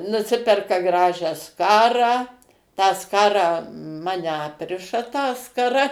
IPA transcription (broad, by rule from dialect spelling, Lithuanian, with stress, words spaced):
nʊˈsʲɪpʲɛrkɐ ˈɡrɑːʒʲæː ˈskɑːrɑː tɑː ˈskɑːrɑː ˈmɑːnʲɛ ˈɑːpʲrʲɪʃɐ tɑː skɐˈrɐ